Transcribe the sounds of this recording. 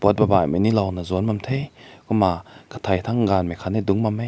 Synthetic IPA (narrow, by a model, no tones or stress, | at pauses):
b̥ɔt̚baba̰manilawnazɔnmamt̪ʰejkɔmakʰḁt̪ʰajt̪ʰaŋɡanmakʰaniduŋmamaj